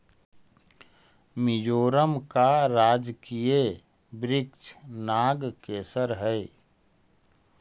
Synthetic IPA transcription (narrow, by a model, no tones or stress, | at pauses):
mɪd͡ʒoːɾəmkaɾaːd͡ʒkije | bɾɪkt͡ʃnaːɡkeːsəɾɦɛe